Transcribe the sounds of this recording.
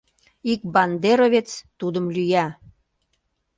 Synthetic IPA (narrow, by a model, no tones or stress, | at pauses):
ik̚bɑnd̪eɾoβʲet͡st̪ud̪əmlyjæ